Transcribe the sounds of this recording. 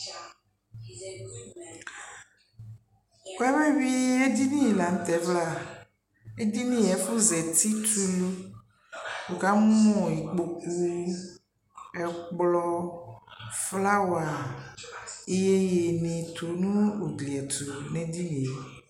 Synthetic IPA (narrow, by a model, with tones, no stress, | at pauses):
ko˦ɛ˦βe˦vi˦e˦d̪i˦nĩ˦je˨la˨ŋ̩̃˦t̪ɛ˨˦vla˦˨ | e˦d̪i˦nĩ˦ɛ˨fu˦zɛ˨t̪i˦t̪u˦lo˦ | wo˨ka˦m˦ɔ̃˦˨ji˨k͡po˨ku˦ | ɛ˨k͡plɔ˦ | fla˦wa˨ | e˦je˦je˨nẽ˨t̪o˨nũ˦o˨dli˨ɛ˨t̪u˨nẽ˨di˦nĩ˨e˨